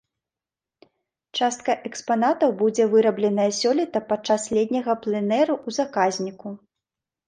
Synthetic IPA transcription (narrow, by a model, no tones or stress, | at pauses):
t͡ʂast̪̚kɐʔɛkspanat̪ɐwbud͡zʲɛvɨɾɐblʲɛn̪ɐjɐsʲɔlʲit̪ɐpat͡ʂaslʲɛd̪̚ʲnʲɐɣɐplˠɛnɛɾuuzakazʲnʲiku